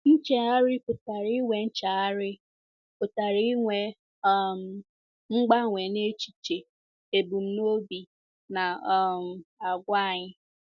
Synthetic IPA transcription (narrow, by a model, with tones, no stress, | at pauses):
n̩˦t͡ʃe˦a˦ɾɪ˦pʊ˨ta˨ɾi˦ŋʷe˨n̩˦t͡ʃa˨a˦ɾɪ˦ | pʊ˨ta˨ɾi˦ŋʷe˨ | m̩˨ | ŋ͡m̩˦ɡ͡ba˦ŋʷe˨ne˦t͡ʃi̥˨t͡ʃe˨ | e˨bu˨m̩˦no˦bi˨ | na˨˦˨m̩˨a˨ɡʷa˦a˨ɲɪ˦